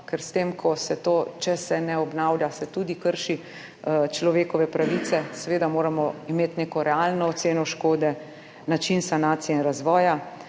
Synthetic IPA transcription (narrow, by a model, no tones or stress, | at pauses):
kɛɾst̪eːmkʰɔsɛt̪ot͡ʃɛsɛnɛɔbnawljasɛt̪uːd̪ikəɾʃi | t͡ʃlɔʋeːkɔʋɛpɾaʋit̪sɛsɛʋeːd̪amoːɾamɔimeːt̪neːkɔɾɛalnɔːt̪seːnɔʃkoːd̪ɛ | nat͡ʃinsanaːt̪sijɛinɾazʋɔːja